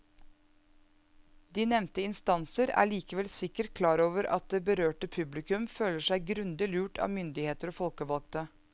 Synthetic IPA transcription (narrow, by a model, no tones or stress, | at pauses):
d̪iːnɛmnt̪əɪnst̪ɑnsəɾæ̰ːɭiːkəʋɛlsɪkːəʈkʰlɑːɾoːʋəɾɑ̰t̪̚d̪eːbəɾøːʈəpʰʉblɪkʉmføːləʂæɪɡɾʉnd̪ɪlʉːʈʰɑ̰ːmʏnd̪ɪheːt̪əɾoːfɔlkəʋɑlk̚t̪ə